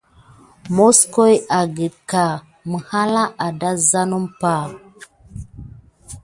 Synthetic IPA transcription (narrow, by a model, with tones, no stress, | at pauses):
mo˦sko˦ja˨ɡə˨dka˨ | mə˨ha˦la˦a˨da˦za˦nu˦mpa˦˨